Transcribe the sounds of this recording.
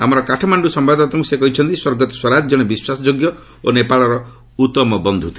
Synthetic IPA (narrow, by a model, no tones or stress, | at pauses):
amɔɾɔkaʈʰɔmaɳɖusɔmbad̪at̪ɔŋkusekɔɦit͡ʃʰɔnt̪iswoɾɡɔt̪ɔ̥swɔɾad͡ʒd͡ʒɔɽ̃ebiswasɔd͡ʒoɡjɔ | onepaɭɔɾɔ | ut̪ɔmɔbɔnd̪ʱut̪ʰi̥